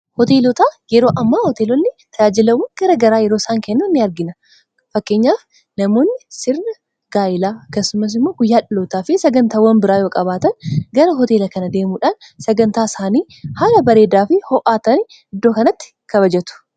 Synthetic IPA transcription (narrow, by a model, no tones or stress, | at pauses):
hɔt̪eːlɔt̪aːjɛɾo̞ːʔɐmːaːhɔt̪eːlɔnːɪt̪ʰɐjaːd͡ʒɪlɐwːɐŋɡ̥ɐɾɐɡɐɾaːjɛɾosaːŋkɛnːɐnːɪɐɾɡɪnɐ | fɐkːe̞ːɲːaːf | nɐmo̞ːnːɪsɪɾnɐ | ɡ̥aːjɪlaːɐkːɐsːʊmɐs̬ɪmːo̞ːɡʊjːaːᶑɪloːt̪aːfɪsɐɡɐnt̪aːwɐnbɪɾaːjo̞ːkʼɐbaːt̪ɐnɡɐɾɐɦɔt̪e̞ːlɐkɐnɐd̪e̞ːmuːᶑaːn | sɐɡɐnt̪aːsaːniː | haːlɐbɐɾeːd̪aːfɪhɔʔaːt̪ɐn | ɪd̪ːo̞ːkɐnɐt̪ːɪ̥ | kɐβɐd͡ʒɛt̪ʊ̥